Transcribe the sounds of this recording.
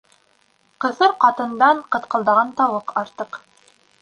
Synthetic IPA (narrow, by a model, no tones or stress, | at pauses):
qɤ̆θɤɾqɑt̪ɤ̆nd̪ɑɴqɤ̆t̪qɤ̆lˠd̪ɑʁɑnt̪ɑwɤqɑɾt̪ɤq